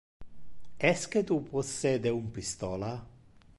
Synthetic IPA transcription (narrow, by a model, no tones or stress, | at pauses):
ɛsket̪upɔsːed̪eumpist̪ɔːla